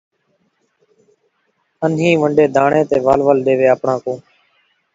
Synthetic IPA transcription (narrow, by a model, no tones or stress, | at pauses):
ənɦĩːʋəɳɖeːd̪ʱaːɳẽːt̪eːʋaːlʋəlɗeːʋeːəpɳãːkõː